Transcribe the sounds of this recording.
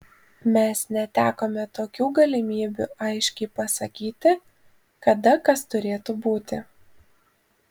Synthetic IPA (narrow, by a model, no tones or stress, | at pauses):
mʲɛsnʲɛt̪ʲæːkoːmʲɛt̪oːkʲuːɡɐlʲɪmʲiːbʲṵːˑɐɪʃʲkʲɛɪpɐsɐkʲiːt̪ʲɪ | kɐd̪ɐkɐst̪ʊɾʲeːt̪ubuːt̪ʲɪ